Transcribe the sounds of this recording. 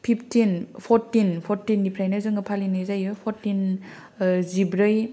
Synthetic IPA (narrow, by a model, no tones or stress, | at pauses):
pʰipʰtinpʰɔɾtinpʰɔɾtinːipʰɾajnɯzɯŋɯpʰalinɯjzajɯpʰɔɾtin | zibɾɯj